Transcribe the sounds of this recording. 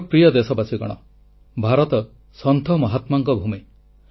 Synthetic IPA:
pɾijɔd̪esɔbasiɡɔ̰ɽ̃ɔ̰ | bʱaɾɔt̪ɔ | sɔnt̪ʰɔmɔɦat̪maŋkɔbʱumi

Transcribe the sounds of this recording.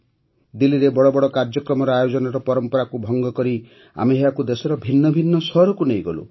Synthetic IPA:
d̪iliɾebɔɽɔbɔɽɔkaɾd͡ʒɔkɾɔmɔɾɔajod͡ʒɔnɔɾɔpɔɾɔmpɔɾakubʱɔŋɡɔkɔɾi | a̰meɦewakud̪esɔɾɔbʱinːɔbʱinːɔsɔɾɔkunejɡɔlṵ

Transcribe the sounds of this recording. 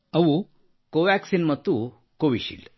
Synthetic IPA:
ɐʋu | koʋæksinmɐt̪u | koʋiɕḭl

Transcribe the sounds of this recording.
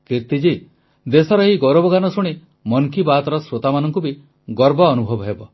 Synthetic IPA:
kiɾt̪id͡ʒi | d̪esɔɾɔeɦiɡɔɾɔbɔɡanɔsuɽ̃i | mɔŋkibat̪ɔɾɔsɾot̪amanɔŋkubi | ɡɔɾbɔːnubʱɔbɔɦebɔ

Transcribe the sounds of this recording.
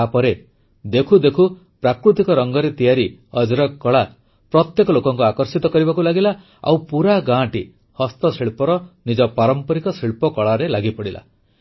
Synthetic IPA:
apɔɾe | d̪ekʰud̪ekʰu | pɾakɾut̪ikɔɾɔŋɡɔɾet̪ijaɾiʌd͡ʒɾɔkːɔɭa | pɾɔt̪jekɔlokɔŋkuakɔɾsit̪ɔkɔɾibakulaɡila | a̰wpuɾaɡãʈi | hɔst̪ɔsiɭpɔɾɔnid͡ʒɔpaɾɔmpɔɾikɔsiɭpɔkɔɭaɾelaɡipɔɽila̰

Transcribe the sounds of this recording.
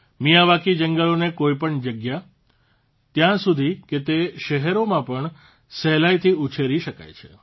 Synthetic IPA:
mijaʋakid͡ʒəŋɡəlonekoipəɳd͡ʒəɡja | t̪jãsud̪ʱiket̪eʃəɦɛɾomãpəɳ | sɛlajt̪ʰiut͡ʃʰeɾiʃəka̰jt͡ʃʰe̥

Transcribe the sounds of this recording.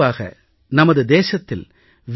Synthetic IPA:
aːɣɐ̰ | nɐmɐðɯd̪eːsɐt̪ːɪl | ʋ

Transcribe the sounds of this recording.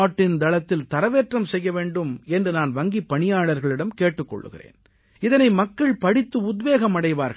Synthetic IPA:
aːʈːɪnd̪ɐlɐt̪ːɪlt̪ɐɾɐʋeːʈrɐmsɛjːɐʋeːɳɖɯmɛndrɯnaːnʋɐŋɡipːɐɳɪjaːɭɐɾɣɐɭɪɽɐmkeːʈːɯkːɔ̰ɭːɯ̰ɣɪ̰rḛːn | ɪðɐnɐɪmɐkːɐɭpɐɽɪt̪ːɯʊd̪ʋeːɣɐmɐɽɐɪʋaːɾɣɐ

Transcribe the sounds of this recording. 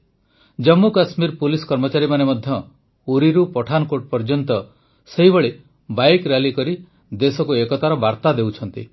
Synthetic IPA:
d͡ʒɔmːukasmiɾpuliskɔɾmɔt͡ʃaɾimanemɔd̪ʱjɔ | uɾiɾupɔʈʰanɔkoʈ̚pɔɾd͡ʒɔnt̪ɔ | seɦibɔɭe | bajkɾalikɔɾi | d̪esɔkuekɔt̪aɾɔbaɾt̪ad̪ewt͡ʃʰɔnt̪ḭ

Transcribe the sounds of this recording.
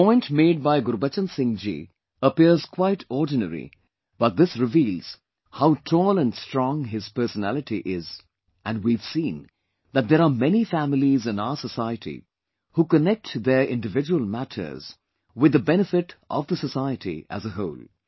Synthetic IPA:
pɔ̃ɪ̃ntmeːɖ̚baɪɡʊɾbət͡ʃə̃nsɪ̃ŋd͡ʒḭ | əpiəɾz̥kʰwaɪʈʰɔːdⁿnə̰ɾḭ | b̥ʌt̚d̪ɪsɾɪviːlˠz̥ | haʊtʰɔːlə̃nɖstɹɔ̃ŋɦɪz̥pə˞sənælɨʈiʔɪz | ʔæ̃nwiv̥sĩːn | d̪æt̚d̪əɾamɛnifæmɪlizɪ̃naʊəsəsaɪətḭ | huːkənɛk̚td̪əɹʔɪ̰̃nɖɨvɪd͡ʒuəlˠmætʰə̰˞z̥ | wɪd̪ːəbɛnɨfɪtʔɔ̰vd̪əsəsaɪətḭæ̰zəɦoʊlˠ

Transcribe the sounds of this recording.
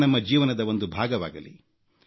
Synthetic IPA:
nɐmːɐd͡ʒiːʋɐnɐd̪ɐo̞nd̪ubʱaːɡɐʋa̰ːɡɐlḭ

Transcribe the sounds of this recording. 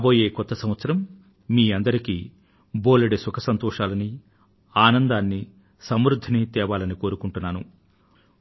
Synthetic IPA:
boːjeːkɔt̪ːɐsɐmʋɐt̪sɐɾɐmː | iːɐnd̪ɐɾikḭː | boːlɐɽisukʰɐsɐnt̪ɔːʂaːlɐni | aːnɐnd̪aːnːi | sɐmɾud̪ʱːinit̪ɛːʋaːlɐniko̞ːɾukuɳʈunːaːnṵ

